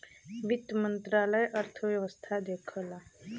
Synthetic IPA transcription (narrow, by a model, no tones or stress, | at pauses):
ʋit̪mənt̪ɾaləjʔəɾt̪ʰəʋjəʋəst̪ʰad̪ekʰəla